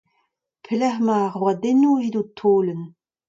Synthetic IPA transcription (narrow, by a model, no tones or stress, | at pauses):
pʰlɛχmaːʁwadenuidutʰoːlən